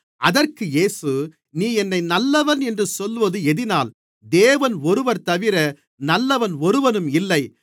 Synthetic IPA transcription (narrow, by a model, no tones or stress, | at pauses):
ʔɐðɐrkɯjeːsɯ | niːɛnːɐɪnɐlːɐʋɐnɛndrɯsɔlːʋɐðɯɛðɪnaːl | d̪eːʋɐnɔɾɯʋɐɾt̪ɐʋɪɾɐ | nɐlːɐʋɐnɔɾɯʋɐnɯmɪlːɐɪ